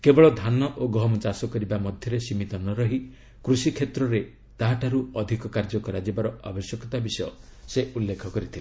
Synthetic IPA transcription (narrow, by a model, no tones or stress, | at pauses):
kebɔɭɔd̪ʱanɔʔoɡɔɦmɔt͡ʃasɔkɔɾibamɔd̪ʱjɔɾesimit̪ɔnɔɾɔɦi | kɾusikʰet̪ɾɔɾe | t̪aɦaʈʰaɾuɔd̪ʱikɔkaɾd͡ʒɔkɔɾad͡ʒibaɾɔa̰bɔsjɔkɔt̪abisɔjɔseulːekʰɔkɔɾit̪ʰile